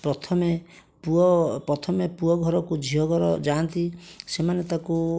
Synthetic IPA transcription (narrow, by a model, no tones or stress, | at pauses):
pɾɔt̪ʰɔme | puɔpɾɔt̪ʰɔmepuɔɡʱɔɾɔkud͡ʒʱiɦɔɡʱɔɾɔd͡ʒant̪isemanet̪aku